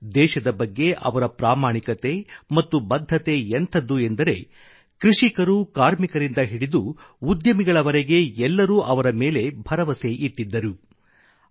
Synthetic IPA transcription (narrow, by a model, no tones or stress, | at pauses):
d̪ɛːʃɐd̪ɐbɐɡːe̞ʔɐ̰ʋɐɾɐpɾaːmaːɳikɐt̪e̞mɐt̪ːubɐd̪ʱːɐt̪e̞ent̪ʰɐd̪ːue̞nd̪ɐɾe̞ | kɾiʂikɐɾukaːɾmikɐɾind̪ɐɦiɽid̪uː | d̪jɐmiɡɐɭɐʋɐɾeɡe̞ɛlːɐɾuːʔɐʋɐɾɐmeːle̞bʱɐɾɐʋɐse̞ʔit̪ːid̪ːɐɾu